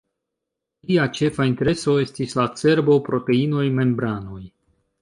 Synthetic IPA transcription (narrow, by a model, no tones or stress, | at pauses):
lliat͡ʃe̞fainte̞ɾe̞so̞e̞stislat͡se̞ɾbo̞pɾo̞te̞ino̞jme̞mbɾano̞j